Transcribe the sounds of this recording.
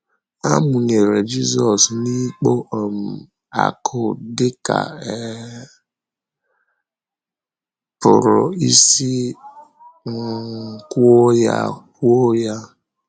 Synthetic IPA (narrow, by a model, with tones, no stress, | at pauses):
a˦mʊ˨ɲe˨ɾe˨d͡ʒi˦zɔ˨sni˦k͡po˦ʔm̩˨ | a̰˨kʰʊ˦dɪ˦ka̰˨ɛ˦ | pʊ̰˨ɾʊ̰˨i˦si˦˨ | ku˦o˦ja̰˦ku˦o˦ja˦